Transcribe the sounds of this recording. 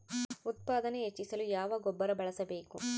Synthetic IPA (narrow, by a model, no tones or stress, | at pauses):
ut̪̚paːd̪ɐneɦet͡ʃːisɐlujaːʋɐɡobːɐɾɐbɐɭɐsɐbe̞ːku